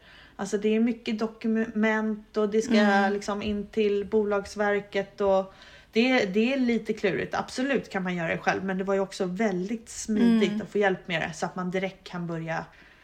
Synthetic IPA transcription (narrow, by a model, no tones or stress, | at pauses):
ʔalsɔd̪ɛæɾmʏkːəd̪ɔkːɵmɛnt̪ɔd̪ɛskalɪksɔmɪnːt̪ʰɪlbuːlɑːɡsvæɾkət̪ɔ | d̪̥ɛd̪ɛæɭiːt̪əkʰlʉ̟ːɾɪ̰t̪ʰa̰b̥sɔlʉ̟ːt̪kʰanmanjœːɾad̪ɛɧɛ̰lvmɛnd̪ɛvaɾjɵɔksɔvɛld̪ɪɡ̚t̪smiːd̪ɪɡt̪at̪foːjɛlpːmeːd̪ɛ̰sɔat̪mand̪ɪɾɛkt̪̚kʰːanbœɾja